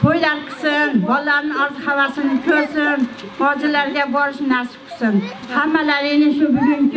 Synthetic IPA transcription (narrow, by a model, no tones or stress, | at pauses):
tʰojlaɾqʰɨ̥sɪnbɒlˠːaɾnɪɒzɨhavasɪnɪkʲʰɵɾsɪnhɒd͡ʒɪlaɾɡʲabɒɾɪʃnaɾsɪ̥qʰɨ̥sɪn | hamːalaɾenɪʃʊbʊɡʲɪŋkʲ